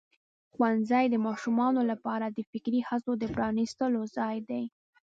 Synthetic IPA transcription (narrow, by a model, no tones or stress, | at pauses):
xwanzajd̪əmɑʃumɑnolapɑɾad̪əfɪkɾihasod̪əpɾɑnist̪əlozɑjd̪aj